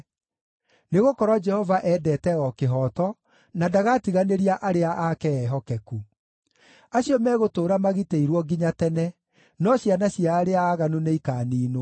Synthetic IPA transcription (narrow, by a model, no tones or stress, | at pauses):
neɣokɔɾwɔd͡ʒɛhɔvaʔɛdɛtɛɔkeɦɔːtɔ | nadaɣatiɣaneɾiaʔaɾeaʔakɛɛɦɔkɛku | aɕiɔmɛːɣotoːɾamaɣiteiɾwɔɡiɲatɛnɛ | nɔɕjanaɕiaɾeaːɣanuneikaːniːno